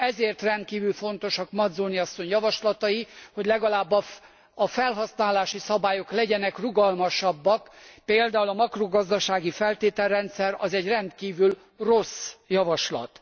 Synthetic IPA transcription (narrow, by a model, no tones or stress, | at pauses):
ɛzeːrt̪rɛnt̪̚kiːvylfo̞nt̪o̞ʃɒkmɒd̪zoːniɒsːo̞ɲjɒvɒʃlɒt̪ɒjiho̞ɟlɛɡɒlaːbːɒ | ɒfɛlɦɒsnaːlaːʃisɒbaːjo̞klɛɟɛnɛkruɡɒlmɒʃɒbːɒkpeːld̪aːulɒmɒkroɡɒzd̪ɒʃaːɡifɛlt̪eːt̪ɛlːɛnt̪sɛɾɒzɛɟrɛnt̪kiːvyl | rosjɒvɒʃlɒ̰t̪